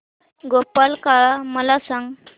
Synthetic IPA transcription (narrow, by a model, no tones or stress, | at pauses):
ɡopalkaɭaməlasãŋɡ